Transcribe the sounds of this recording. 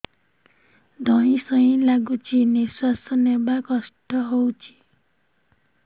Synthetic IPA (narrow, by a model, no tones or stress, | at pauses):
d̪ʱʌĩsʌĩlaɡut͡ʃʰinesasʌnebakɔsʈɔɦowt͡ʃʰi̥